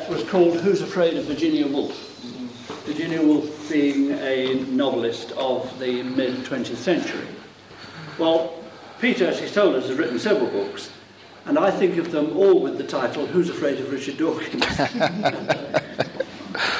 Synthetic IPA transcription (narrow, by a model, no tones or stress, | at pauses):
ʔwʌz̥kʰɔlˠd̚ɦʉzəfɹeɪɾʌvːə˞d͡ʒɪ̃njɨwʊlˠf | vəd͡ʒɪ̃njəwʊlˠfb̥iɪ̃ŋɨnɑvl̩ˠɪstʰʌvðɨmɪd̚tʰw̥ɛ̃ntiɨθsɛ̃nt͡ʃə̰˞ḭ | wɛlˠ | pʰiɾə˞z̥iz̥tʰoʊlˠdʌzɨzɹɪʔn̩sɛvɹl̩ˠbʊks | ə̃naɪθɪ̃ŋkʌvðə̃mɔlˠwɨðɨtʰaɪɾˡl̩ˠɦʉzɨfɹeɪɾʌvɹɪt͡ʃədɔɹɪ̃ŋ